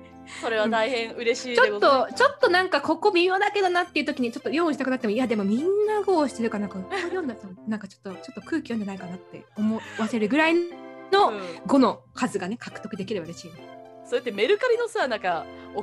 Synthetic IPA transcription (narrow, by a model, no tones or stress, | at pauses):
soɾe̞βat̪aihẽɰ̃ɯ̟ɾe̞ɕiːt͡ɕotːot͡ɕo̞t̪ːo̞nãŋkako̞ko̞mʲimʲo̞ːd̪ake̞d̪o̞nat̪ːe̞iɯ̟t̪okʲiɲ̟it͡ɕo̞t̪ːo̞jõːɯ̃ɕit̪akɯ̟nak̪t̪emiad̪emo̞mʲĩnːaɡoːɕi̥t̪e̞ɾɯ̟kanãŋkaɯkojonasonãŋkat͡ɕo̥t̪ːo̞t͡ɕo̞t̪ːo̞kɯ̟ːkʲijoɲd͡ʑanaikanat̪ːe̞̰omoβase̞ɾɯ̟ɡɯ̟ɾainno̞ɡo̞no̞kʰazɨɡane̞kʰḁkɯ̥t̪ːo̞kɯ̟d̪e̞kʲiɾe̞baɾeɕiːna | soet̪ːeme̞ɾɯ̟kaɾʲino̞saːnãŋka | o